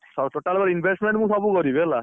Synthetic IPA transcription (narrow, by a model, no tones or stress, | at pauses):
sɔtoʈalbaɾinbʱesʈmeɳʈmuksɔbukɔɾibela